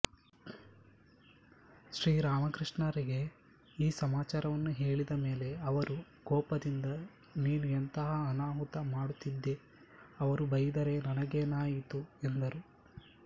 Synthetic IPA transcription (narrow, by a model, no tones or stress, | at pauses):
ʃɾiːɾaːmɐkɾiʂɳɐɾiɡe̞ | iːsɐmaːt͡ʃaːɾɐʋɐnːuɦe̞ːɭid̪ɐme̞ːle̞ɐʋɐɾu | ɡɔːpɐd̪ind̪ɐ | niːnuent̪ɐɦɐːnaːɦut̪ɐmaːɽut̪ːid̪ːe̞ | ɐʋɐɾubɐjid̪ɐɾe̞nɐnɐɡenaːjit̪uend̪ɐɾu